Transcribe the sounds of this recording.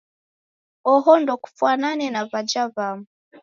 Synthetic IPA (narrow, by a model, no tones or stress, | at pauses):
ɔɦɔndɔku̥fwananɛnavad͡ʒavamu